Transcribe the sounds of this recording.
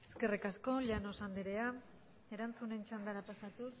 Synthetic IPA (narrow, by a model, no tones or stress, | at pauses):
e̞ske̞rikasko̞ʎanosand̪iɾe̞a | e̞ɾant͡sune̞nt͡ʃand̪anapast̪at̪us